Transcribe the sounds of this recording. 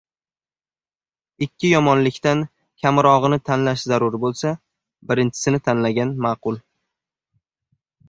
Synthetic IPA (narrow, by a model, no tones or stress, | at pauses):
ɪkʲʰːɪjɒmɒnlɪkʲt̪an | kʲʰamɾɒʁɨnɪt̪ʰanlaʃzaɾʊɾbolˠsa | bɪɾɪnt͡ʃʰɪ̥sɪnɪt̪ʰanlaɡʲanmaːqʊlˠ